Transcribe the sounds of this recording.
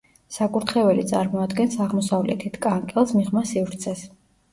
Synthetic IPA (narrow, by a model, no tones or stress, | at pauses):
sakʼuɾt̪ʰχɛvɛlit̪sʼaɾmɔad̪ɡɛnsaʁmɔsavlɛ̰t̪ʰit̪ʰkʼaŋkʼɛlˠsmiʁmasivɾt̪sʰɛs